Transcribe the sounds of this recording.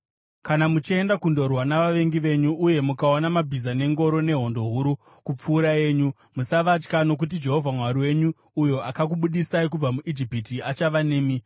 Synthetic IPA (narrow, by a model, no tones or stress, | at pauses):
kanamut͡ʃie̞ndakundo̞rwanaʋaʋe̞ŋɡiʋe̞ɲuʔːje̞mukaonamabʱizane̞ŋɡo̞ɾo̞ne̞ɦo̞ndo̞ɦuɾu | kup͡fuːɾae̞ːɲu | musaʋat͡ʃkano̞k̬ut̬id͡ʒe̞ɦo̞vʱamwaɾiwe̞ɲuː | jo̞ʔakak̬uɓuɗisaik̬ub͡vamuʔid͡ʒipitiat͡ʃaʋane̞ːmi